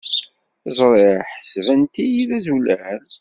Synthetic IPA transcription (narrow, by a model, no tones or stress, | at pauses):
zˤɾˤeɾħə̥svænt̪ijiðæzulæɾ